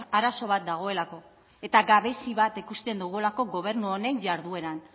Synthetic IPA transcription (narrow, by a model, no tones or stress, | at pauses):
aɾaso̞β̞at̪̚d̪aɣ̞o̞e̞lako̞ | e̞t̪aɡaβe̞siβat̪ikust̪e̞nd̪uɣ̞uelako̞ɣo̞β̞e̞ɾnuo̞ne̞ɲd͡ʒaɾðue̞ɾan